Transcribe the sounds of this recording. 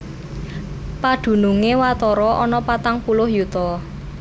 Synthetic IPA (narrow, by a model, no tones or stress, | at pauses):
pad̪̥ṳnuŋewat̪ɔɾɔʔɔnɔpat̪aŋpulʊhjut̪ɔ